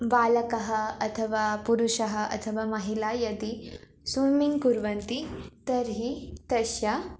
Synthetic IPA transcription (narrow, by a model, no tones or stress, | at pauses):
baːlɐkɐɦɐɐt̪ʰɐʋaːpuɾuʃɐɦɐʔɐ̰t̪ʰɐʋaːmɐɦilaːjɐd̪i | suːmiŋkuɾʋɐnt̪it̪ɐɾɦit̪ɐʃja